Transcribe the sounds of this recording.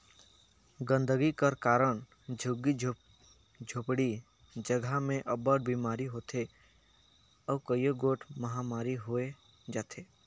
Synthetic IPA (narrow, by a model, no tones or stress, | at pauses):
ɡə̃nd̪əɡikəɾkaːɾəɽ̃ | d͡ʒʱʊɡi | d͡ʒʱʊpɽi | d͡ʒəɡʱamẽʔɐbəʈ̚bʱiːmaːɾiɦoːt̪ʰe | ɔːkəjoɡoːʈʰmɐɦamaːɾiɦoe | d͡ʒaːt̪ʰeː